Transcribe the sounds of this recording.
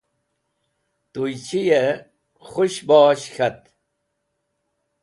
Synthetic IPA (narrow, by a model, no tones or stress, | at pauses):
t̪ujt͡ɕʰije | χuɕbaːɕxʰɐt̪